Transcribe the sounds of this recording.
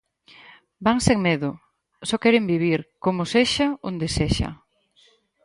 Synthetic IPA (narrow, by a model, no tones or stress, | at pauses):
baŋseŋmeðʊ | sɔkɛɾembiβ̞iɾkomʊseʃaond̪eseʃɐ̰